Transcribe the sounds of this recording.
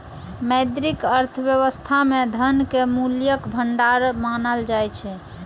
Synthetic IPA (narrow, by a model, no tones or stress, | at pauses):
məjd̪ɾikəɾt̪ʰəbjəβəst̪ʰamed̪ʱənkemuljəkbʱəɳɖaɾmanəld͡ʒajt͡ʃʰɛ